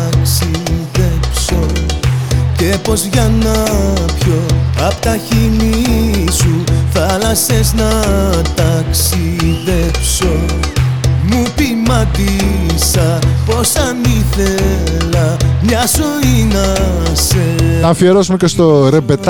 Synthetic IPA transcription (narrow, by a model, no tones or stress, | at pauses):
ksiðepso̞ | ce̞po̞zʝɐnɐpço̞ɐpot̪ɐçimisuθɐlɐseznɐt̪ɐksiðepso̞ | mupimɐd̪isɐpo̞sɐniθelɐmɲɐzo̞inɐseɐfieɾo̞sumecest̪o̞ɾe̞be̞t̪